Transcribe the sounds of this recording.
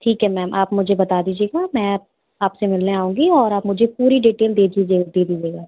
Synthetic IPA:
ʈʰiːkɦɛmɛːmʔaːpmʊd͡ʒʱebɐt̪aːd̪iːd͡ʒieːɡamɛ̃ːap̚ | aːpsemɪlneaːũːŋɡiɔːɾaːpmʊd͡ʒʱepuːɾiɖiːʈeːld̪eːd̪id͡ʒeːd̪eːd̪iːd͡ʒeːɡaː

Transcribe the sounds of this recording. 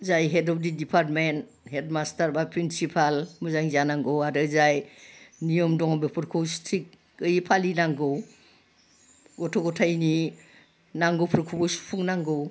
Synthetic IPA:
zajɦedɔp̚didipʰaɾtmen | hetmastʰaɾbapʰɾinsipʰalmɯzaŋzanaŋɡɔwaɾɯzajnijɔmdɔŋɔbepʰɯɾkʰɔwstʰɾik̚ː | ɯjpʰalinaŋɡɯw | ɡɔtʰɔɡɔtʰajni | naŋɡɯwpʰɾkʰubɔwsu̥pʰuŋnaŋɡɯw

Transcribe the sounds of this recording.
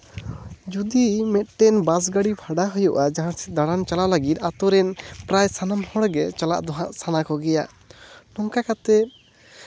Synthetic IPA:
d͡ʒud̪imɛt̪̚ʈɛnbas̬ɡaɽipʰaɖaɦɔjɔʔad͡ʒaɦãsɛd̪aɽant͡ʃalalaɡit̪̚at̪ɔɾɛnpɾajsanamhɔ̃ɽɡɛt͡ʃala̰ʔd̪ɔɦãʔsanakɔɡɛja | nɔŋkakat̪ɛ

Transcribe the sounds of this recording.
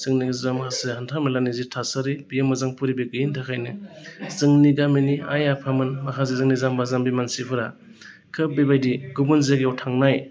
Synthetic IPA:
zɯŋniɡzamkʰasehantʰamelanizitʰasaɾibijemɯzaŋpʰuɾibiɡɯjintʰakʰajnɯ | zɯŋniɡamenia̰japʰamɯnmakʰazizɯŋnizambazambimansipʰɯɾa | kʰɯbebajdiɡubɯnzeɡiawtʰaŋnaj

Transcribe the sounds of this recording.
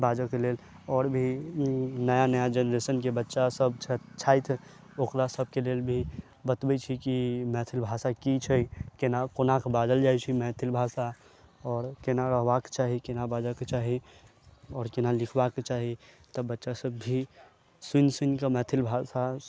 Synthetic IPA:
baːd͡ʒɔkelel | ɔːɾbʱi | nəjanəjad͡ʒənɾesənkebətːʃasəbt͡ʃʰət͡ʃʰajt̪ʰ | okɾasəb̚ʱkelelbʱi | bət̪bət͡ʃʰikimɛt̪ʰilbʱasakit͡ʃʰəkenakonakbad̪əld͡ʒajt͡ʃʰimɛ̃t̪ʰilbʱasa | ɔːɾkenaɾəɦbake̥t͡ʃaːɦikenabad͡ʒaket͡ʃaːɦi | ɔːɾkenalɪkʰbaket͡ʃaɦit̪əbətːʃasəbːʱi | sunsunkemɛːt̪ʰilbʱasa

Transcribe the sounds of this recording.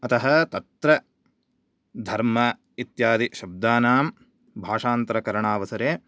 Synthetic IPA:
ɐt̪ɐɦɐt̪ɐt̪ɾɐ | d̪ʱɐɾmɐ | it̪jaːd̪iʃɐb̚d̪aːnaːm | bʱaːʂaːnt̪ɐɾɐkɐɾɐɳaːʋɐsɐɾeː

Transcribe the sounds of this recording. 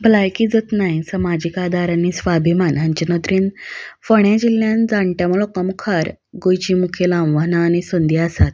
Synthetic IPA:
bəlajkid͡zət̪najsəmad͡ʑikad̪aɾanisʋabʱimanaɲt͡ɕənət̪ɾiːnfəɳjad͡ʑiljãnd͡zãɳʈjamuɭɔkəmkʰaɾ | ɡojt͡ɕiːmukʰelãʋʋanaːñisənd̪iasat̪̚

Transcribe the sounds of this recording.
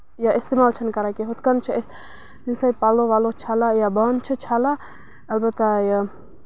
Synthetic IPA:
jaɪst̪emaːlt͡ʃʰɐnkɐɾakiɦʊt̪kɐnt͡ʃʰis | insapaːloʋaːlot͡ʃʰaːlajabaːnt͡ʃʰət͡ʃʰaːla | ɐlbət̪ːaja

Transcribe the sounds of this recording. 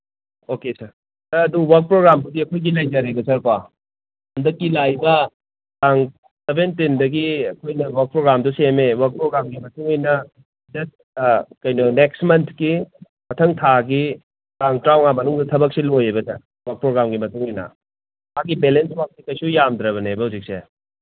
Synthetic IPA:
okesɐɾ | sɐɐduwɐɾk̚pɾoɡɾambudiɐkʰojɡilɐjd͡ʒaɾebɐsɐɾka | hɐndɐkːilajbɐ | taŋ | sebʱentindɐɡiɐkʰojnɐwɐɾk̚pɾoɡɾamdusemewɐɾk̚pɾoɡɾamɡimɐtuŋijnɐ | d͡ʒɐs | kɐjnɔnek̚smɐntʰki | mɐtʰɐŋtʰaɡi | taŋtɾawŋamɐnuŋdɐtʰɐbɐk̚silojebɐsɐ | wɐɾk̚pɾoɡɾamɡimɐtuŋijnɐ̰ | maɡibelenswak̚sikɐjsujamd̪ɾɐbɐnebɐhuwzik̚se

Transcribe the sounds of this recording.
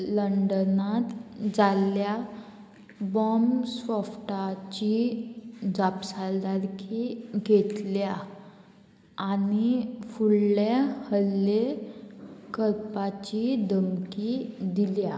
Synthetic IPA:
ləɳɖənat̪d͡zalja | bɔmsɔfʈat͡ɕi | d͡zapsald̪aɾkʰiɡet̪lja | nifullahəlːe | kəɾpat͡ɕid̪ʱəmkid̪ilja

